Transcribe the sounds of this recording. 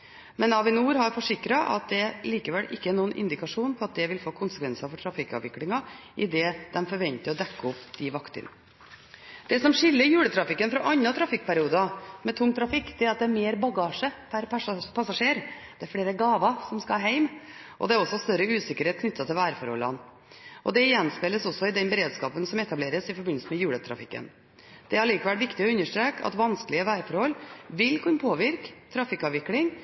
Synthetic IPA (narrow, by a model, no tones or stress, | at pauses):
mɛnɑːʋɪnuːɾhɑɾfɔʂɪkɾɑʔɑ̰t̪̚d̪ɛliːkəʋɛlʔɪkːəɛɾɳuːənʔɪ̰nd̪ɪkɑʂuːnpʰɔɑt̪̚d̪ɛʋɪlfoːkʰʊnsə̥kʰʋɛnsɑfɔʈʰɾɑfɪkːɑ̰ʋɪklɪŋɑʔɪd̪ɛːd̪̥ɛmfɔɾʋɛnt̪əɾɔd̪ɛkːəʊpd̪̥ɪʋɑkt̪ə̰n | d̪̥ɛsɔmʂɪlːəɾjʉːɽət̪ʰɾɑfɪkːənfɾɔʔɑnːɑt̪ʰɾɑfɪk̚ːpæɾɪuːd̪ɑmɛt̪ʰʊŋːt̪ʰɾɑfɪkːd̪ɛæɾɑt̪̚d̪ɛæɾmeːɾbɑɡɑːʂəpʰæɾppʰɑsɑʂeːɾ | d̪̥ɛæɾfɽeːɾəɡɑːʋɑsɔmskɑhɑɦæɪm | ʔɔ̰d̪ɛæɾɔsːɔst̪œɾəʉːsɪkːəɾheːt̪̚kʰnʏt̪ːɑt̪ʰɪlʋæːɾəfɔ̰ɾhɔ̰lːɑ̰n | ʔɔd̪ɛɪjɛnspɛləsɔsːɔɪd̪ɛnbəɾeːd̪skɑːpənsɔmɛt̪ɑbleːɾəsɪfɔɾbɪn̩səmɛjʉːɽət̪ʰɾɑ̰fɪkːə̰n | d̪̥ɛhɑɾɭiːkɑʋælʋɪkt̪ɪɔʉnːəʂʈ̪ɾeːkɑ̰t̪ʋɑnskəlɪəʋæːɾəfɔɾhɔlːʋɪlkʰʉnːpʰoːʋɪɾkt̪ʰɾɑfɪkːɑːʋɪklɪŋ